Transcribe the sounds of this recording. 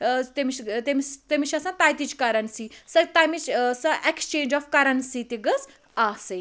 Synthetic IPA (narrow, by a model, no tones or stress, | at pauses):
t̪emiʃt̪emist̪emiʃɐsãːt̪aːjt̪it͡ʃkɐɾɐnsisɐt̪amit͡ʃsɐʔekst͡ʃẽːɲd͡ʒɔfkɐɾɐnsit̪iɡɐs | aːsɨ